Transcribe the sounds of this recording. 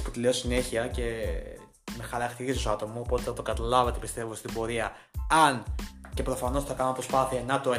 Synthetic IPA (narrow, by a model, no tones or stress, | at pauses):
pu̥t̪ileosine̞çiɐce̞ | me̞xɐɾɐkt̪iɾissoɐt̪o̞muopo̞t̪eθɐt̪o̞kɐt̪ɐlɐvɐt̪epist̪e̞vost̪ibo̞ɾiɐ | ɐnce̞pɾofɐno̞sθɐkɐnomepɾo̞spɐθiɐnɐt̪o